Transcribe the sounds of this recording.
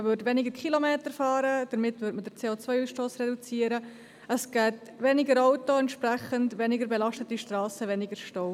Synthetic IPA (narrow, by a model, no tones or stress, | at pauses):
əvʏɾdʋɛnɪɡəɾkχilomeːtəɾfɑːɾəd̥əɾmɪtvʏɾtmədəɾt͡seːot͡sʋœjuːsʃtoːsrɛdut͡siːəɾə | əsɡ̥ɛːt | ʋɛnɪɡəɾaʊtoɛntʃpɾɛχəndʋɛnɪɡəɾbɛlɑʃtətiʃtrɑːsəʋɛnɪɡəɾʃtoʊ